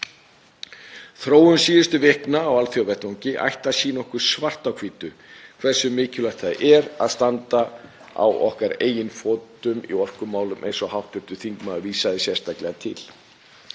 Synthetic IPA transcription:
θɾoːwʏnsiːðɪst̪ʏvɪhknaːwalθjɔwvɛht̪oɲcɪʔa̰jht̪asiːnɔhkʏɾ̥svar̥t̪awkʰviːt̪ʏ | kʰv̥ɛr̥sːʏmɪːcʏlaht̪θaðʔɛɾa̰ðst̪ant̪a | a̰wɔ̰hkaɾeːjɪnfoːt̪ʏmḭɔr̥kʏmaːwlʏmʔejnsɔhawht̪ʏht̪ʏθiŋkmaðʏviːsaðɪsjɛr̥st̪aklɛɣat̪ʰɪ̰l̥

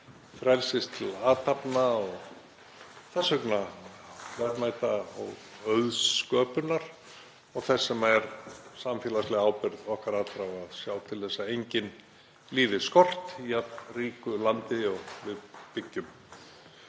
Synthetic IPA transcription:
fɾɛlsɪst̪ʰɪlaːt̪apnaɔɣ | θɛsahʏkna | vɛɾmaːjt̪aɔɣœðskœːpʏnːaɾ̥ | ɔɣθɛsːɛmaɛɾ̥samfɛːlaslɛɣaːwpɪɾðɔhkaɾat̪ɾawaðsjaːwt̪ʰɪlθɛsːaejɲcɪn | liːðɪskɔr̥t̪ijat̪nriːkʏlant̪ɪɔɣvɪðpɪcːʏm

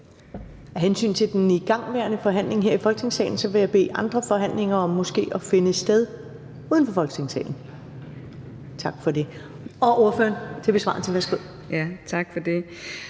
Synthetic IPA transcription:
æɦensy̰ːnt͡sʰe̝ld̥eniɡ̥ɑ̈ŋ̰ʋæɐnəfɒ̽ɦæn̰le̝ŋɦeɐ̰ifɒlɡ̥ət͡sʰe̝ŋsɛ̰ɪn̩sɒ̽ʋe̝jɑ̈ɪb̥e̝̰ːʔɑ̈nd̥ʁɐfɒ̽ɦæn̰le̝ŋɐɒ̽mːɔ̽sɡ̥e̝̰ːɒfe̝nəsd̥eð̞ˠ | uːðˠn̩fɒ̽fɒ̽lɡ̥t͡sʰe̝ŋsɛ̰ɪn̩ | t͡sʰɑ̈ɡ̥fɒ̽de̝ | ɒ̽ʔo̝ɐfø̰ːɐnt͡sʰe̝b̥e̝sʋɑ̈ːnt͡sʰeʋæɐsɡ̥o̝ð̰ˠ | t͡sʰɑ̈ɡ̥fɒd̥e̝

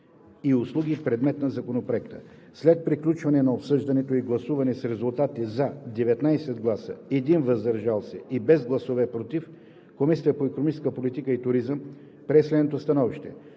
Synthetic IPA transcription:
iʊslˠuɡipɾɛd̪mɛt̪nɐzɐkonopɾoɛkt̪ə | slɛt̪̚pɾiklʲut͡ʃvɐnɛnɐopsɤʒd̪ɐnɛt̪oiɡlˠɐsuvɐnɛsɾɛzulˠt̪at̪izɐd̪ɛvɛt̪najsɛd̪ɡlˠasə̰ɛd̪invɐzd̪ɐɾʒalˠsɛibɛzɡlˠɐsovɛpɾot̪if | komisiəpoɛkonomit͡ʃskəpolit̪ikəit̪ʊɾizəm | pɾɛslɛd̪not̪ost̪ɐnɔviʃt̪ɛ̰

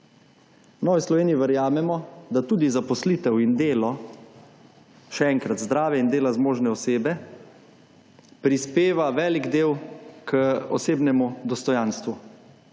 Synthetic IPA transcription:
nɔʋislɔʋeːniiʋəɾjaːmɛmɔd̪at̪uːd̪izapɔslit̪ɛwind̪eːlɔ | ʃɛɛŋkɾat̪zd̪ɾaːʋjɛind̪eːlazmoːʒnɛɔseːbɛ | pɾispeːʋaʋɛːliɡd̪eːwkəɔseːbnɛmud̪ɔst̪ɔjanst̪ʋu

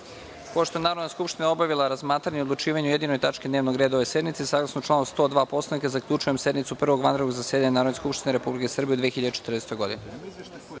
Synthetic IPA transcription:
poʃt̪oenaːɾod̪neskupʃt̪ineo̞baʋilˠaɾazmaːt̪ɾaɲeod̪lˠut͡ʃiːʋaɲuje̞d̪inojt̪at͡ʃkid̪neːʋnoɡɾe̞d̪aoʋese̞d̪nmit̪sesaːɡlˠasnot͡ʃlˠaːnost̪o̞ːd̪ʋaːpo̞slanikazakʎut͡ʃuje̞mse̞d̪nit̪supr̩ʋo̞ɡʋand̪ɾeɡuzasjed̪aɲenaːɾod̪neskupʃt̪ineɾe̞publikesr̩bied̪ʋiexiʎad̪et͡ʃe̥t̪rnest̪ojɡo̞̰d̪ine

